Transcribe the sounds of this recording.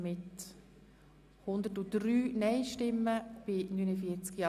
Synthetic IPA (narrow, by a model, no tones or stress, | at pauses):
mɪt | hʊnd̪ətudɾyːnɛɪʃtɪmːəb̥ɪnynəfiəɾt͡skjɑ